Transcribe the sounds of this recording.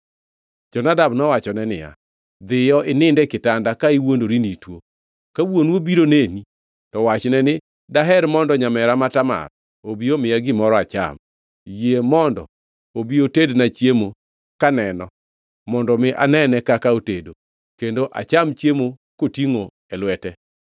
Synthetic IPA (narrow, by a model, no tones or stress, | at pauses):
d͡ʒɔnadamnɔwat͡ʃɔnɛnɪ̰ja̰ | d̪ɪjɔʔɪnɪndɛkɪtandakaiwondoɾinitwo | kawonwobiɾoneni | tɔwat͡ʃnɛnɪ | daɦɛɾmɔndɔɲamɛɾamatama̰r | obiomɪjaɡɪmɔɾɔat͡ʃa̰m | jemɔndɔ̰ | obiotednat͡ʃjemo | kanɛnɔ | mɔndɔmɪʔa̰nɛnɛkakaotedo | kendoʔa̰t͡ʃamt͡ʃjemo | kotiŋo | ɛlwɛtɛ